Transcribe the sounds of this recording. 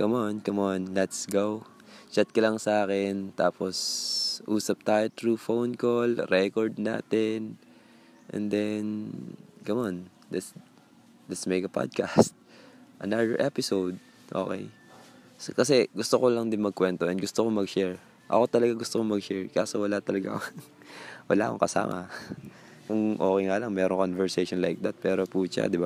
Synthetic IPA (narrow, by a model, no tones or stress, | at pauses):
kɐmonkɐmonlɛt̪sɡow | t͡ʃat̪̚kɐlɐŋsɐʔaːkɛnt̪aːposʔuːsɐp̚t̪ajt̪ɹufownkolɾɛkoɹd̪̚na̰ːt̪ɛn | ʔɛ̰̃nd̪ɛnɡɐmon | lɛt̪s | lɛt̪smɛɡɐpa̰d̪̚kast̪̚ʔɐnad̪ɛɹʔɛpɪsowd̪̚ | ʔo̞̰ːkɛ̰j | skɐs̬ɛɡʊst̪okolɐŋd̪ɪnmɐɡ̚kwɛnt̪oʔɛnɡʊst̪okomɐɡʃɛɹ | ʔɐ̰ko̞t̪ɐlɐɡaɡʊst̪okomɐɡʃɛɹkaːsowɐlat̪ɐlɐɡa̰kŋ | wɐ̰laːkoŋkɐsa̰ːmɐ̰ | kʊŋʔo̞ːkɛjŋalɐŋmɛːɾoŋkonvɛɹsejʃonlajk̚d̪at̪̚pɛːɾopuːʃa̰d̪ɪba